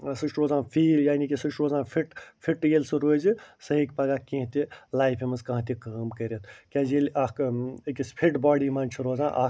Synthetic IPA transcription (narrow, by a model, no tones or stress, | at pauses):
sɨʃʈɾoːzãːpʰiːljaːnikʲisɨʃʈɾoːzãːpʰiʈpʰiʈjeːlʲsɨɾoːzisɐɦikpɐɡakʲĩɦt̪ilaːjpʰemɐzkɐ̃ɦt̪ikaːmkɐɾʲet̪ʰkʲaːd͡ʒelaːkekispʰiʈbɔːɽiːmaːnʲt͡ʃʰiɾoːzãːʔa̰ː